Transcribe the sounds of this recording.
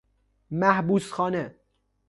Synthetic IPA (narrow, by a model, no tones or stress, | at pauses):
mæhbuːsxɒːne